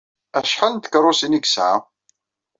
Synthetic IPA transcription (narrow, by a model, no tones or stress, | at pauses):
æʃħalnt̪ə̥kːrˤːʊsiniɡsʕa̰